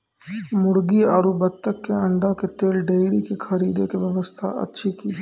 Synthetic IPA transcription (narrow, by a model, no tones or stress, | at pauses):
mʊɽɡiaːɾubɐt̪ːəkːeɐ̃ɳɖaket̪eːlɖeːɾikekʰɐɾiːd̪ekeʋjɐʋəst̪ʰa̰ɐ̰tːʃʰikiː